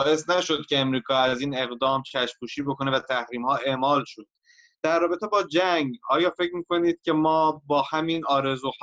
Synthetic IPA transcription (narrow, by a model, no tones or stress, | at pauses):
ʔe̞snæʃo̞d̪̥̚cʰʲe̞ːmɾiːkʰɒːæziːne̞ɣd̪ɒːmt͡ʃʰæʃpʰuːʃiːbo̞kʰo̞ne̞væt̪ʰæhɾiːmhɒːʔe̞ʔmɒːlʃod̪̥ | d̪̥æɾːɒːbe̞t̪e̞bɒːd͡ʒæŋɡɒːjɒːfe̞cʰɾmiːko̞niːd̪̥̚cʰʲe̞mɒːbɒːhæminɒːɾe̞zuːh